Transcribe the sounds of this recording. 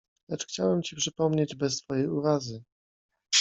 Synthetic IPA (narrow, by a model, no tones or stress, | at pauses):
lɛt͡ʂxt͡ɕawɛmt͡ɕipʂɘpɔmɲed͡ʑbɛst̪fɔjejuɾazɘ